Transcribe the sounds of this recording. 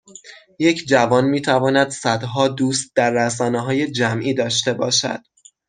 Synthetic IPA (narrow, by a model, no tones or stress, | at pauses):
je̞cʰd͡ʒævɒːnmiːt̪ʰævɒːnæd̪sæd̪ɦɒːd̪uːst̪̚d̪æɾːæs̬ɒːneɦɒːje̞d͡ʒæmʔiːd̪ɒːʃt̪e̞bɒːʃæ̰d̪̥